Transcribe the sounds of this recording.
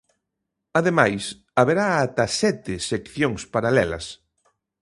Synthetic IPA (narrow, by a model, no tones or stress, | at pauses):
aðemajs | aβeɾaːt̪asɛt̪ɪsekθjoŋspaɾalɛlɐ̰s